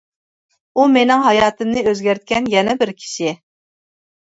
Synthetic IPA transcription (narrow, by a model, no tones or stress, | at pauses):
umenɪŋɦɑjɑːt̪ɨmnɨøzɡʲæɾt̪̚kʲɛnjɛnɛbɪɾkʲʰi̥ʃɪ